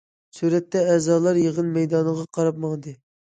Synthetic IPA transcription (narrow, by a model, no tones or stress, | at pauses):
suɾɛt̪ːɛɛːzɑːlˠɑɾjeʁənmɛjd̪ɑnʁɑqʰɑɾɑp̚mɑŋd̪ɨ